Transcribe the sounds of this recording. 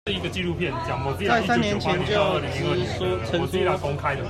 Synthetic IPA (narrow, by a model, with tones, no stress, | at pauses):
i˨˦ɡə˨t͡ɕi˥˧lu˥˧pʰjɛ˥˨˩nt͡ɕja˨˦pɔ˨˦t͡si˥˧a˨ɪsa˦njɛ˨˦nt͡ɕʰjɛ˧n˨t͡ɕjo˥˨˥ə˥˩i˧i˧˥˧t͡sʰə˨˦si˥a˧˩kɔ˦ŋkʰa˦ɪd̪ə˨